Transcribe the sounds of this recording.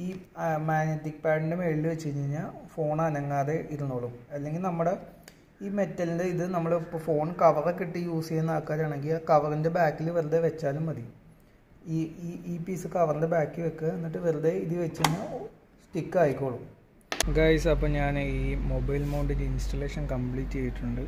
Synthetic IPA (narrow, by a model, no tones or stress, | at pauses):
iːmaːɡɲetːik̚paːɳɖɨme̞ɻilɨʋet͡ɕːuɾiɲːeiɲːafo̞ːɳɐnɐŋːaːðe̞ʔiɾunːoːɭumɐlːe̞ŋɡilnɐmːuɽe̞ | iːme̞tːɐlindeiðɨnɐmːɐɭpːfo̞ːɳkɐʋɐrekːiʈːɨjuːsejnːaːkːaːɾaːɳe̞ŋɡilkɐʋɐrinde̞baːkːilʋeɾud̪eʋet͡ɕːaːlumʋɐðiju | iːiːpiːsɨkɐʋɐrinde̞baːkːiʋokːeenːiʈːɨʋeɾud̪eiðɨʋet͡ɕːiiɲːa | sʈikːaːjikʲːoːɭum | ɡɐjsɐpːɐmɲaːniːmobɐjlmoːɳɖindinsʈɐlːe̞ːʂɐnkɐmpɭiːtːt͡ɕejiʈːuɳɖɨ